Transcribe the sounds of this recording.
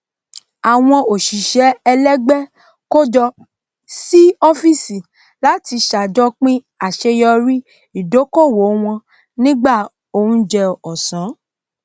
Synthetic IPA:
a˨w̃ɔ̃˧o˨ʃi˨ʃɛ˨˦ɛ˧lɛ˦ɡ͡bɛ˦ | ko˦d͡ʒɔ˧ | si˦ɔ˦fi˦si˨ | la˨˦ti˧ʃa˨d͡ʒɔ˦k͡pĩ˦ | a˨ʃe˧jɔ˧ɾi˦ | i˨do˨˦ko˦˨wo˨˦w̃ɔ̃˧ | nĩ˦ɡ͡ba˦˨ | o˨hũ˧d͡ʒɛ˧ɔ˨sã˨˦

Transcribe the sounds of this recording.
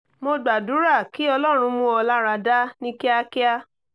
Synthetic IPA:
mo˧ɡ͡ba˨du˨˦ɾa˦˨ki˨˦ɔ˧lɔ˦ɾ̃ũ˧mõ˧˦ɔ˧la˦ɾa˧da˦nĩ˦ke˦a˧ki˦a˦

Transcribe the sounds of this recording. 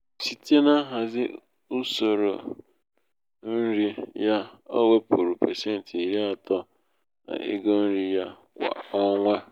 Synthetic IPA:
si˨te˦na˦ɦa˨zɪ˦ | u˦so˨ɾo̰˨ | n̩˦ɾi˦ja˦o̰˦we˦pu˨ɾu˨pe˨se˦n̩˨ti˨ɾi˦a˨tɔ˦ | na̰˨ɪ̰˦ɡo˦n̩˦ɾi˦ja˦ | kʷa̰˨ɔ˦ŋʷa˦

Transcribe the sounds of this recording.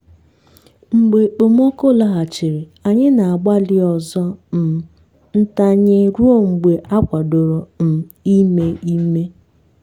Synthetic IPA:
ŋ͡m̩˨ɡ͡be˨k͡po˨m˦o˦ko˦˨la˨ɦa˨t͡ʃɪ˨ɾe˨a˨ɲɪ˦na˨a˨ɡ͡ba˦lɪ˦ɔ˨zɔ˦m̩˨ | n̩˦ta˦ɲe˦ɾu˦o˦ŋ͡m̩˨ɡ͡be˨ʔa˦kʷa˨do˨ɾo˨m̩˨i˦me˦i˦me˦

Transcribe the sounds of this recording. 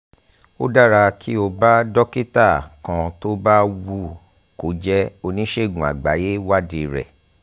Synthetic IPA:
o˦da˦˨ɾa˧kʰi˦o˧ba˦dɔ˦ki˦ta˦˨kã˧to˦ba˦wu˦˨ | ko˨˦d͡ʒɛ˦o˧nĩ˦ʃe˦˨ɡũ˨a̰˨ɡ͡ba˨˦je˦wa˦di˧ɾɛ̰˨

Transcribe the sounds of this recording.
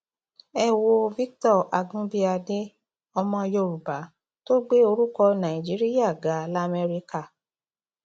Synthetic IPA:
ɛ˦˨wo˧vi˦k̚tɔ˦˨ʔa˨ɡũ˦bi˦a˧de˦ | ɔ˧mɔ̃˧jo˧˨ɾu˨ba˨˦ | to˦ɡ͡be˦o˧ɾu˦kɔ˧nã˨i˨d͡ʒi˨˦ɾi˦ja˦˨ɡa˨˦la˦˨me˧ɾi˧ka˦˨

